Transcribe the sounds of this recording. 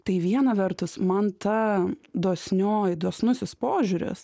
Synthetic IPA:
t̪ɐɪʋʲiɛnɐʋʲɛrt̪ʊsmɐnt̪ɐd̪oːsʲnʲoːjd̪oːsnʊsʲɪspoːʒʲʊɾʲɪ̰s

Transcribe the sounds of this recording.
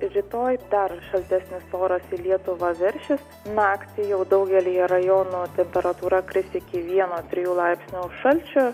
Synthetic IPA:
ɾʲɪt̪oːjd̪ɐrʃɐlʲt̪ʲæsʲnʲɪst̪oːɾɐsiːlʲiɛt̪ʊʋɑːʋʲɪɾʲʃʲɪs | nɑːkt̪ʲɪjɛʊd̪ɐʊɡʲɛlʲijɛɾɐjoːnuːt̪ʲɛmʲpʲɛɾɐt̪uːɾɐkɾʲɪsʲɪkʲɪʋʲiɛnoːt̪ʲɾʲɪjuːlˠɑɪpsʲnʲuʃʃɐlʲt͡ʃʲʊ

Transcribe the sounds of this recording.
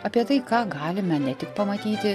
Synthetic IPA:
ɐpʲiɛt̪ɐɪkɑːɡɑːlʲɪmʲɐnʲɛt̪ʲɪkpɐmɐt̪ʲiːt̪ʲɪ

